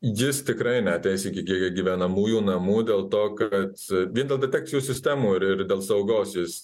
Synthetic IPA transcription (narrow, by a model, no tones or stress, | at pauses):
jɪst̪ʲɪkɾɐɪnʲæːt̪ʲɛɪsiːkʲɪkʲiɛkʲɡʲiʋʲænɐmuːjuːnɐmuːd̪ʲeːlˠt̪oːkɐt̪ʋʲiɛnd̪ʲelˠd̪ʲɛt̪ʲæːktt͡sʲɪjuːsʲɪsʲt̪ʲæːmuːɪɾɪɾd̪ʲeːlˠsɐʊɡoːsjɪs